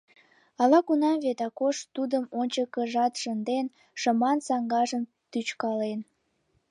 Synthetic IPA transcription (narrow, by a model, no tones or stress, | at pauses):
ɑlɑkunɑmβet̪ɑkoʃt̪ud̪əmonʲt͡ɕəkəʒɑt̪ʃənd̪en | ʃə̆mɑnsɑŋɡɑʒəm | t̪yt͡ɕkɑlen